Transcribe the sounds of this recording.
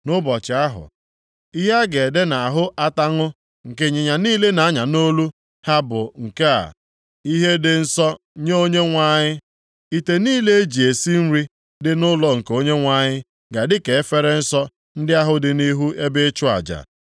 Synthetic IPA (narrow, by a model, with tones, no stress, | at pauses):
nʊ˦bɔ˨t͡ʃɪ˨a˦ɦʊ̰˨ | i˦ɦa˦ɡe˨de˦na˨a˨ɦʊ˦ʔa˦ta˦ŋʊ˦ | ŋ̩˨ke˦ɲɪ˨ɲa˨niː˦le˦na˨˦ɲa˨no˦lu˦ | ha˦bʊ˨ŋ̩˨ke˦a̰˨ | i˦ɦe˦dɪ˨n̩˦sɔ˦ | ɲe˦o˦ɲe˦ŋʷa˦ɲɪ˦ | i˦te˨niː˦le˦e˦d͡ʒi˨e˨si˦n̩˦ɾi˦ | dɪ˨nʊ˦lɔ˨ŋ̩˨ko˦ɲe˦ŋʷa˦ɲɪ˦ | ɡa˨dɪ˦ke˨˦fe˦ɾe˦n̩˦sɔ˦ | n̩˦dɪ˦a˦ɦʊ˦dɪ˨ni˦ɦu˦ʔe˦be˦t͡ʃʊ˦a̰˨d͡ʒa̰˨